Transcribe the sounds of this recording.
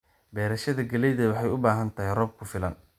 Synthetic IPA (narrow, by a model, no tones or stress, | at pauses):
bɛːɾɐʃɐðɐɡɐlɛjðɐwɑħɑjʊbaːɦɐnt̪ʰɐɦɛjrɔb̚kʰʊfɪlɐn